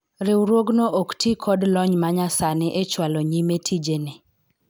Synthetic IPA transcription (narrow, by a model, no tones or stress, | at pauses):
ɾɪwɾwoɡnoʔoktʰikʰɔdlɔɲmaɲasanɪʔet͡ʃwalɔɲimetʰid͡ʒene